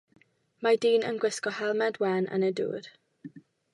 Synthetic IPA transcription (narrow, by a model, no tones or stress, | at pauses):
madiːnənɡwɪskɔhɛlˠmɛdwɛnʔə̰nədṵːd̥